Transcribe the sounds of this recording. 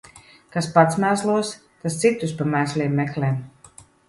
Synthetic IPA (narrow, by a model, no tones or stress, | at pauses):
kaspat̪smæːslˠuɔs | t̪ast̪sit̪ːuspamæːslʲiɛmːɛklʲɛːm